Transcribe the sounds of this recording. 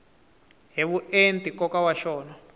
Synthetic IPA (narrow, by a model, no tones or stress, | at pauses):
ɦeβuentʼikʼɔkawaʃɔːna